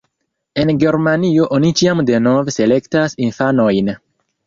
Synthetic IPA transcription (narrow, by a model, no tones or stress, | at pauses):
e̞nɡe̞ɾmanio̞ʔo̞nit͡ʃiamde̞no̞vse̞le̞ktasinfano̞jn